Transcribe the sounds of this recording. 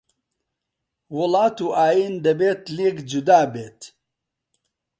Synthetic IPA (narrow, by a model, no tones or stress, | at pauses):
wulaːt̪uʔaːjind̪ɐbeːt̪liɡd͡ʒud̪aːbeːt̪